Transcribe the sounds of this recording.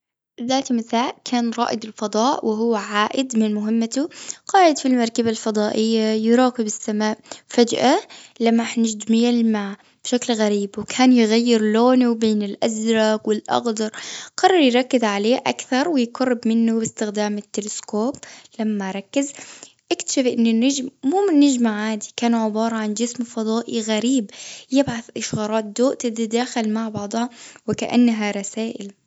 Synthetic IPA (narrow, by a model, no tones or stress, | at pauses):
ðaːt̪mɪθaːʔkʰaːnɾˤɑ̰ːʔɪd̪ɪlfɑd̪ˤɑːʔwɪɦʊwːʕaːʔɪd̪mɪnmʊɦɪmːat̪ʊqɑːʕɪd̪filmɑɾˤkabalfɑd̪ˤɑːʔɪjːajɾˤɑːkɪbɪsːamaːʔfad͡ʒʔalamːaħnɪd͡ʒd̪mɪjalmaː | b̥ʃaklɣaɾiːbwɪkʰaːnjɪɣajːɪɾloːnuwbeːnɪlʔazɾˤɑːkwɪlʔɑ̰ɣd̪ɑɾˤqɑrˤːɑɾˤjɾˤɑkːɪzʕaleːʔa̰kθɑɾˤwɪjqɑrˤːɪbmɪnːubɪst̪ɪxd̪aːmɪt̪ːɪlɪskoːblamːaɾˤɑkːɪzʔakt̪ḁʃɪfʔɪnːɪnːad͡ʒmmuːmɪnːad͡ʒmaʕaːd̪ikaːnʕɪbɑːɾˤɑʕand͡ʒɪsmfɑd̪ˤɑːʔiɣaɾiːbjɪbʕaθʔɪʃɣɑːɾˤɑːt̪̚d̪oːʔt̪ɪd̪id̪aːxɪlmaʕbɑʕd̪ˤhɑwɪkaʔa̰nːɦaɾˤɑsaːʔɪl